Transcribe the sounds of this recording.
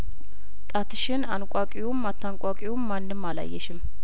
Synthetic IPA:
t̪ʼat̪ʰɨʃɪnankʷʼakʼiwumːat̪ʰːankʼakʼiwumːanːɨmːala̰jːɛʃɪm

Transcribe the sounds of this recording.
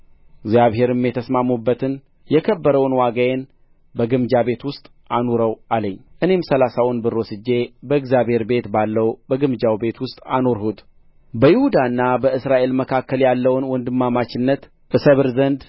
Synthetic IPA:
ɪɡzjaβɦe̞ɾɨmjɛt̪ʰəsmamːubːət̪ʰɨn | jɛkʰəbːəɾəwnwaɡajen | bəɡɨmd͡ʒaβe̞t̪wʊst̪ʼ | ʔanoɾəwʔaləɲːʔɨne̞msəlasawʊnbɨɾosɨd͡ʒːe̞bəɨɡzjaβhe̞ɾbe̞t̪balːəwbəɡɨmd͡ʒawbe̞t̪wʊst̪ʼano̞ɾhut̪ | bəjɪhud̪anːabəɨsɾaʔe̞lməkʰakːəljalːəwnwɔnd̪ɨmːamat͡ʃɪnːət̪ | ʔɨsəβɨɾzənd̪

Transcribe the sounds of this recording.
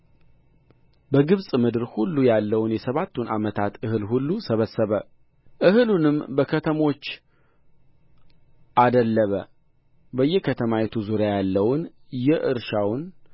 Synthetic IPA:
bəɡɨβsʼmɨd̪ɨɾhulːujalːəwnjɛsəβat̪ʰːunʔa̰mət̪ʰat̪ɨhɨlhulːusəβəsːəβə | ʔɨhɨlunɨmbəkʰət̪ʰəmo̞t͡ʃː | ʔad̪əlːəβə | bəjːɛkʰət̪ʰəmajɛt̪ʰuzuɾjajalːəwʊn | jɛʔɨɾʃawn

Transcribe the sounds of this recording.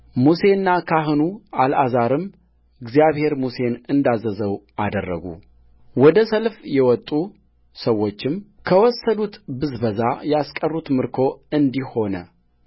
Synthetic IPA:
muse̞nːakʰaɦɨnualʔazaɾɨm | ɨɡzijaβhe̞ɾmuse̞nɨnd̪azəzəw | ad̪ərːə̰ɡṵ | wɔd̪əsəlfjɛwɔt̪ʼːu | səwːo̞t͡ʃːɪmkʰəwɔsːəd̪ut̪bɨzbəzajɛaskʼərːut̪mɨɾkʰo̞ɨnd̪iho̞nə̰

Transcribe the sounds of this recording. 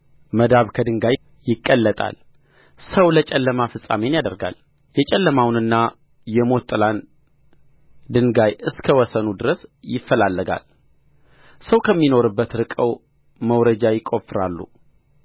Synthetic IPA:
məd̪aβkʰəd̪ɨŋɡaj | jɪkʼːəlːət̪ʼa̰l | səwlət͡ʃʼɛlːəmafɨsʼa̰me̞njad̪əɾɡa̰l | jɛt͡ʃʼɛlːəmawnɨnːa | jɛmo̞t̪ʼɨlan | d̪ɨŋɡajɨskʰəwɔsənud̪ɨɾəsjɪfːəlalːəɡa̰l | səwkʰəmːino̞ɾɨbːət̪ɾɨkʼəw | məwɾəd͡ʒajɪkʼo̞fɨɾalːṵ

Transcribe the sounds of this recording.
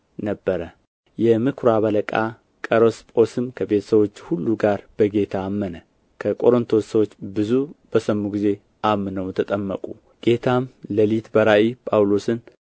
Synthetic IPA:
nəbːəɾə | jɛmɨkʰɾaβələkʼa̰ | kʼəɾəspʼo̞sɨmkʰəbe̞t̪ʰə̥səβwo̞t͡ʃːhulːuɡaɾb̥əɡe̞t̪ʰaːmːənə | kʰəkʼo̞ɾɨnt̪ʰo̞səwot͡ʃːbɨzub̥əsəmːuɡize̞ | ʔamːɨnəwt̪ʰət̪ʼəmːəkʼu | ɡ̥e̞t̪ʰamləlit̪bəɾaʔipʼawlo̞sɨn

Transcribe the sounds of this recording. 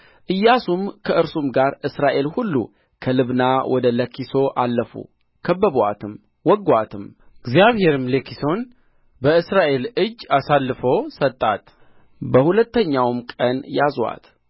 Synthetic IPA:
ʔɨjːasumkʰəɨɾsumɡaɾʔɨsɾaʔe̞lhulːṵ | kʰəlɨβnawʔɔd̪ələkʰːiso̞ʔalːəfṵ | kʰəbːəβa̰t̪ʰɨm | wɔɡwat̪ʰɨm | ɨɡzjaβhe̞ɾɨmlekiso̞n | bəɨsɾaʔe̞lɨd͡ʒːasalːɨfəwsət̪ʼːat̪ | bəhulət̪ːəɲːawmkʼənjazwa̰t̪

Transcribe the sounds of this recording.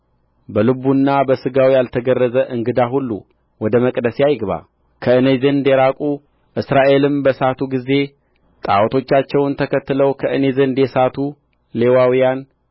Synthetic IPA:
bəlɨbunːabəsɨɡawijalt̪ʰəɡərːəzəʔɨŋɡɨd̪aɦulːṵ | wɔd̪əməkʼd̪əseajɡβa̰ | kʰəɨnezɨnd̪eɾakʼu | ʔɨsɾaʔe̞lɨmbəsat̪ʰuɡize̞ | t̪ʼa̰wt̪ʰo̞t͡ʃːat͡ʃːɛwnt̪ʰəkʰət̪ːɨləwkʰəʔɨnezɨnd̪jɛsat̪ʰu | le̞wawijan

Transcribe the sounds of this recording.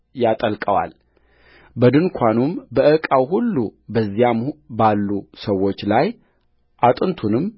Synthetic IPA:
jat̪ʼəlkʼəwa̰l | bəd̪ɨnkʷʰanumbəɨkʼawɦulːubəzːijambalːusəwːo̞t͡ʃːlaj | ʔat̪ʼɨnt̪ʰunɨm

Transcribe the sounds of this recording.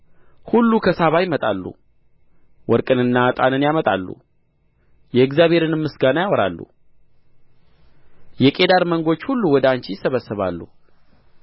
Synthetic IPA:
hulːukʰəsaβajmət̪ʼalːṵ | wɔɾkʼɨnɨnːat̪ʼanɨnjamət̪ʼa̰lːṵ | jɛɨɡzjaβʱhe̞ɾɨnɨmːɨsɡanəjawɔɾa̰lːṵ | jɛkʼe̞d̪aɾməŋɡo̞t͡ʃːhulːuwɔd̪ant͡ʃijsəβəsːɨβa̰lːṵ

